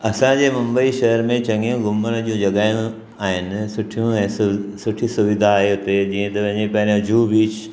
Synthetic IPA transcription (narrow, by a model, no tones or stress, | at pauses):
ɐsãd͡ʑemɐ̃mbəiʃɐɦɾmẽt͡ɕɐ̃ŋɡijũɡʊmːəñd͡ʑiũd͡ʒɐɡaːjũ | aːɦɪnsʊʈʰijũssʊʈʰisʊʋɪd̪ʱaːeɦot̪ed͡ʑiːɦẽt̪ɐʋɐ̃ɦɲd͡ʑepɛɦɾẽd͡ʑʱuːbiːt͡ʃ